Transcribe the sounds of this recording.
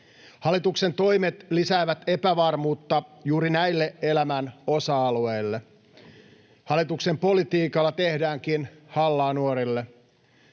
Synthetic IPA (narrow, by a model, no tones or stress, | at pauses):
hɑlːˑit̪ukse̞nt̪o̞jmet̪lisæːʋæt̪e̞pæʋɑrmuːt̪ːɑjuːɾinæilːeʔe̞læmæno̞sɑɑlue̞jlːe | hɑlːˑit̪ukse̞mpo̞lit̪iːkɑlːɑt̪e̞hdæːŋkinhɑlːɑːnuoɾilːe